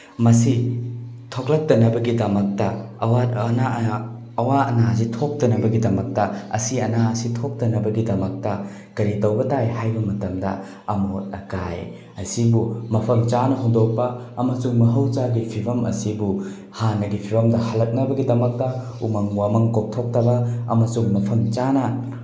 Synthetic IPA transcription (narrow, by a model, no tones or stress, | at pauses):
mɐsi | tʰok̚lɐk̚tɐnɐbɐɡidɐmɐk̚tɐ | ɐwana | ɐwaɐnaz̬itʰok̚tɐnɐbɐɡidɐmɐk̚tɐɐ̰siɐnaɐsitʰok̚tɐnɐbɐɡidɐmɐk̚tɐ | kɐɾitɐwbɐtajhajbɐmɐtɐmdɐ̰ | ɐmot̚ɐkaj | ɐsibumɐpʰɐmt͡ʃanɐɦoŋdok̚pɐɐmɐsuŋmɐɦɐwt͡ʃaɡipʰibʰʱɐmɐ̰sibu | hanːɐɡipʰibʰʱɐmdɐhɐlɐt̚nɐbɐɡidɐmɐk̚tɐ | umɐŋwamɐŋkok̚tʰok̚tɐbɐɐ̰mɐsuŋmɐpʰɐmt͡ʃanɐ